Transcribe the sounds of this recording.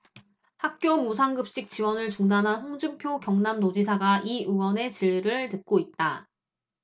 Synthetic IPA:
hak̚k͈jomusʰaŋɡɯp̚ɕ͈ik̚t͡ɕ͈iwʌnɯɭt͡ɕuŋdanɦanɸoŋd͡ʑɯmpʰjoɡjʌŋnamnod͡ʑisʰaɡaʔiɯwʌne̞t͡ɕiɭːiɾɯɭtɯk̚k͈oit̚t͈a

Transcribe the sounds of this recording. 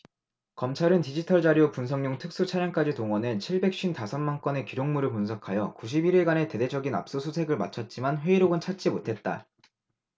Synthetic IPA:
kʌmt͡ɕʰaɾɯntid͡ʑitʰʌɭd͡ʑaɾjopuns̬ʰʌŋɲoŋtʰɯk̚s͈ut͡ɕʰaɾjʌŋk͈ad͡ʑitoŋwʌnɯt͡ɕʰiɭbe̞k̚ɕ͈intasʰʌnmank͈ʌne̞kiɾjoŋmuɾɯɭpunsʰʌkʰajʌ̰kuɕ̬ʰibiɾiɭɡane̞te̞de̞d͡ʑʌɡina̰p̚s͈osʰusʰe̞ɡɯɭma̰t͡ɕʰʌt̚t͡ɕ͈imanɸwe̞iɾoɡɯnt͡ɕʰat͡ɕ͈imotʰe̞t̚t͈a̰

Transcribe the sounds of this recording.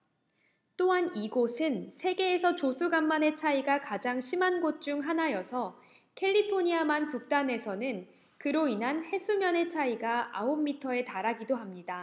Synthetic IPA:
t͈oɦaniɡosʰɯnsʰe̞ɡe̞ːsʰʌt͡ɕosʰuɡamːane̞t͡ɕʰaiɡakad͡ʑaŋɕʰimanɡot̚t͡ɕ͈uŋɦanajʌsʰʌ | kʰe̞ʎːipʰoɲiamankuk̚t͈ane̞sʰʌnɯn | kɯɾoinɦanhe̞sʰumjʌne̞t͡ɕʰaiɡaaomːitʰʌe̞taɾaɡidoɦamɲida

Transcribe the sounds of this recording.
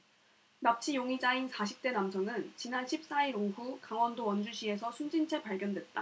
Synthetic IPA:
nap̚t͡ɕʰijoŋid͡ʑainsʰaɕʰip̚t͈e̞namsʰʌnɯnt͡ɕinanɕʰip̚s͈aiɾoŋɸukaŋwʌndowʌnd͡ʑuɕʰie̞sʰʌsʰund͡ʑint͡ɕʰe̞paɭɡjʌndwe̞t̚t͈a

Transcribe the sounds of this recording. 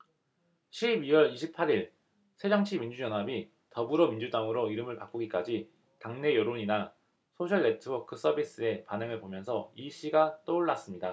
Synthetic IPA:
ɕʰibiwʌɾiɕʰipʰaɾiɭ | sʰe̞d͡ʑʌŋt͡ɕʰimind͡ʑujʌnɦabi | tʌbɯɾomind͡ʑudaŋɯɾoiɾɯmɯɭpak͈uɡik͈ad͡ʑi | taŋne̞jʌɾoɲina | sʰoɕʰʌɭne̞tʰɯwʌkʰɯs͈ʌbis͈ɯe̞panɯŋɯɭpomjʌnsʰʌiɕ͈ʰiɡat͈ouɭːas͈ɯmɲida

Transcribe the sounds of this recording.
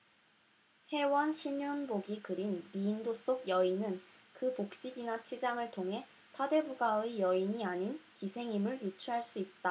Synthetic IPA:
he̞wʌnɕʰimjunboɡikɯɾinmiːndos͈oɡ̚jʌinɯn | kɯpok̚ɕ͈iɡinat͡ɕʰid͡ʑaŋɯɭtʰoŋɦe̞ | sʰade̞buɡaɯjʌiɲiaɲinkisʰe̞ŋimɯɭjit͡ɕʰuɦaɭs͈uit̚t͈a

